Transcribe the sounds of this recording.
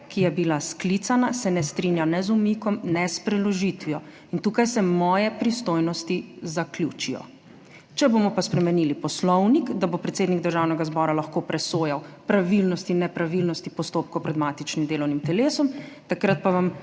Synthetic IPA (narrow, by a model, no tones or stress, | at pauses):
kijɛbilasklit̪sanasɛnɛst̪ɾinjanɛzumikɔmnɛspɾɛlɔʒit̪ʋiɔ | int̪uːkajsɛmɔːjɛpɾist̪oːjnɔst̪izaklʲjuːt͡ʃijɔ̰ | t͡ʃɛbomɔpaspɾɛmɛnilipɔslɔwnikd̪abopɾɛt̪seːd̪niɡd̪əɾʒawnɛɡazbɔːɾalaxkopɾɛsoːjawpɾaʋilnɔst̪inːɛpɾaʋilnɔst̪ipɔst̪oːp̚kɔwpɾɛd̪maːt̪it͡ʃnimd̪eːlɔwnimt̪ɛleːsɔmt̪akɾat̪̚paʋam